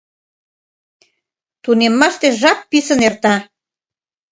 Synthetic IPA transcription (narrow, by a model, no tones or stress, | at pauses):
t̪unemːɑʃt̪eʒɑk̚pisə̆nert̪ɑ